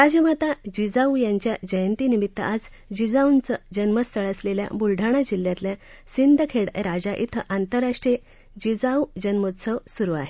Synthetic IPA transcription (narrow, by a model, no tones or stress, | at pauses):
ɾad͡ʑəmat̪ad͡ʑid͡zaujaɲt͡ɕjad͡ʑəjənt̪inimit̪ːə̰ʔad͡z | d͡ʑid͡zawunt͡səd͡ʑənməst̪ʰəɭəslelja̰bulɖʱaɽ̃ad͡ʑilːjãt̪lja | sind̪ʱəkʰeɽɾad͡zaʔḭt̪ʰəʔant̪əɾaʂʈɾie | d͡ʑid͡zaud͡ʑənmut̪səʋsuɾuaɦe